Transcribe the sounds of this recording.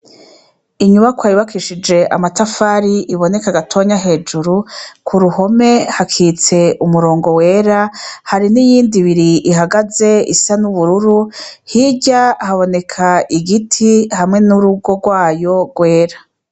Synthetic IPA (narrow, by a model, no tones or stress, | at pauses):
iɲuβakwaiβakʰiʃid͡ʒe̞ʔa̰matafaːɾiʔiβone̞kaɡatʰo̞ːɲaɦe̞ːd͡ʒuɾukʰuɾuho̞me̞hakʰiːt͡se̞umuɾo̞ːŋɡo̞we̞ːɾahaɾinijiːndiβiɾiʔiɦaɡaze̞ḭsanuβuɾuɾuhiɟahaβo̞ne̞kʰaʔiɡitʰihamŋe̞nuɾuɡo̞ɡwaːjo̞ɡwe̞ːɾa